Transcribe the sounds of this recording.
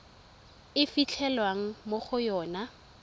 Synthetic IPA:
ɪfit͡ɬʰɛlwaŋ̩moχʊjɔːna

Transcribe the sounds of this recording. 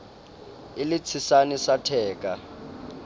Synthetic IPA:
ɪlɪt͡sʰisanisatʰɛːk̬ʼa

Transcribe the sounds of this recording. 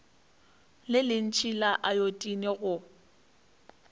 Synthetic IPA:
lɪlɪn̩t͡ʃʰilaʔajotʼineɣʊ

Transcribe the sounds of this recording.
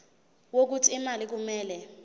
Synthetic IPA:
wok̬utʰiimalik̬umɛːlɛ

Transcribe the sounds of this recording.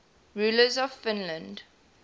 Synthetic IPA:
ɹuːləzɔv̥fɪ̃nlə̃nd

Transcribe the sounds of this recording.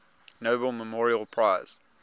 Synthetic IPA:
noʊbəlˠməmɔːɹiəlˠpʰɹ̥aɪz̥

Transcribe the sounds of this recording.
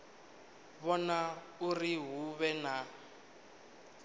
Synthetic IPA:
βɔna | uriɦuβɛna

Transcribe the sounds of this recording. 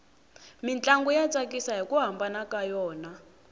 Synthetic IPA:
mint͡ɬʼaŋɡujat͡sʼakisaɦikuɦambanakajɔːna

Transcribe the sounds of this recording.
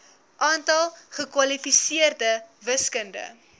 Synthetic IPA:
ʔɑːntɐlˠχəkwɐlifisiərdəvəskəndə̰

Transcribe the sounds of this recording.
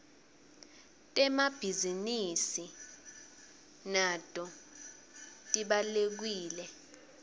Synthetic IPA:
tʼɛmab̥ʱizinisi | natʼɔ | tʼiɓalek̬wiːlɛ

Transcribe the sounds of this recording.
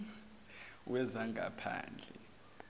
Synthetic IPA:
wʔɛzaŋʱapʰa̰ːnd͡ɮʱɛ

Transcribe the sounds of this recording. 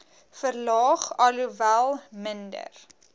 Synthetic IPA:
fərlɑːχɐluvælˠməndə̰r

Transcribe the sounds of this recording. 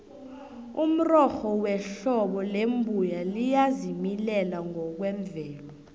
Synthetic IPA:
um̩rɔxɔwɛɬɔɓɔlembʱujalijazimilɛlaŋɔk̬wɛɱvɛːlɔ

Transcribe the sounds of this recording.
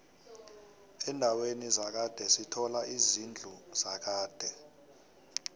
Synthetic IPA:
ɛndʱawenizak̬ad̥ʱɛsitʰɔlaʔizind͡ɮʱuz̥ak̬aːd̥ʱɛ

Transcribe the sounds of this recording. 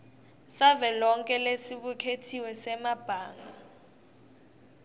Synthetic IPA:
savɛlɔŋkʼɛlesiɓukʰetʰiwɛsɛmab̥ʱaːŋɡa

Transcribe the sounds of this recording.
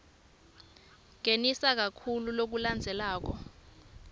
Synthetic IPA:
ŋ̬enisak̬akʰululok̬uland͡zʱɛlaːk̬ɔ

